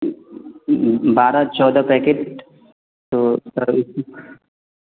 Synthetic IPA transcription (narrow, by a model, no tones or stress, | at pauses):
baːɾat͡ʃɔːd̪apɛːkeːʈ | t̪oːsɐɾɪs